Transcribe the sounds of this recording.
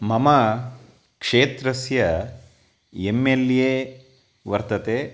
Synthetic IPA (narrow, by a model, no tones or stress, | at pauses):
mɐmɐ | kʂeːt̪ɾɐsjɐ | emːeljeː | ʋɐɾt̪ɐt̪eː